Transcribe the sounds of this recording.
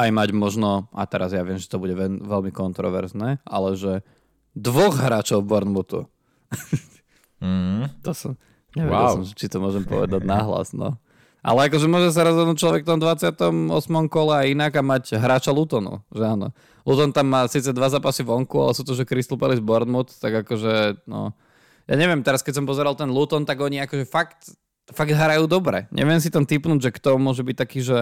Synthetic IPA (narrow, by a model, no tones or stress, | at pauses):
ajmaɟmɔʒnɔʔat̪ɛɾazjaʋɪɛmʒɛ̥t̪ɔbuɟɛʋɛʋɛlmikɔnt̪ɾɔ̰ʋɛ̰ɾznɛʔa̰lɛʒɛ | d̪ʋɔɣɦɾaːt͡ʃɔʊbɔɾnmut̪ṵ | t̪ɔsɔm | ɲɛʋɛ̰ɟɛllssɔmt͡ʃit̪ɔmʊɔʒɛmpɔ̰ʋɛ̰d̪aɟnaɦla̰znɔ̰ | ʔa̰lɛakɔʒɛmʊɔʒɛs̬aɾɔzɦɔd̪nuːc̚t͡ʃlɔʋɛkft̪ɔmd̪ʋat͡sɪat̪ɔmɔ̰smɔmkɔlɛainaɡamaɟɦɾaːt͡ʃalut̪ɔnṵʒɛanɔ̰ | lut̪ɔnt̪amːaːsiːt͡sɛd̪ʋazaːpasiʋɔŋkua̰lɛsuːt̪ɔʒɛkɾist̪lupɛlizbɔɾd̪mut̪t̪aɡakɔʒɛnɔ̰ | ja̰ːɲɛʋɪɛmt̪ɛɾaskɛcsɔmpɔzɛɾalt̪ɛnlut̪ɔnt̪aɡɔɲiakɔʒɛfakt̪ | faɡd̪ɦaɾajuːd̪ɔbɾɛ̰ɲʔɛ̰ʋɪɛms̬it̪amt̪ipnuːɟʒɛkt̪ɔmʊɔʒɛbic̚t̪akiːʒɛ